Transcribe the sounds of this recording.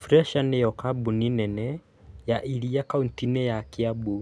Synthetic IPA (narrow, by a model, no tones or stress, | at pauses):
fɾɛʃanejɔkabuninɛnɛ | jaʔiɾiakauntinejakɪabu